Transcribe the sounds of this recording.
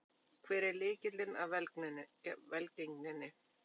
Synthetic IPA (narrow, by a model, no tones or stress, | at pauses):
kʰvɛːɾɪlɪːcɪt̪lɪnavɛl | vɛlceŋknɪnːɪ